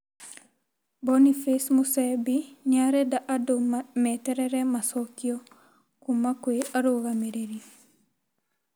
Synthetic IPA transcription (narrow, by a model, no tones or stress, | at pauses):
bonifesmusebiɲaɾedaʔadommeteɾeɾemasokio | kumakueaɾuɡameɾeɾi